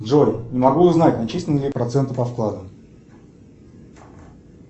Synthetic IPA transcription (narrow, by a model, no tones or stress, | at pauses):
dʐojnʲɪmɐɡuʊznatʲnɐt͡ɕisʲlʲɪnəlʲɪpɾɐt̪sɛnt̪əpɐfklˠad̪əm